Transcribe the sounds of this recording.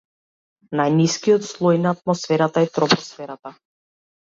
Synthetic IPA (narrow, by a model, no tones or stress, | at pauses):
najniskijɔt̪slˠɔjnaːt̪̚mɔsfɛɾat̪aɛt̪ɾɔpɔsfɛɾat̪a